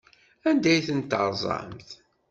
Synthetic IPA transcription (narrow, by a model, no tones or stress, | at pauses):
ænd̪æjθənt̪əɾˤzˤɑ̰mθ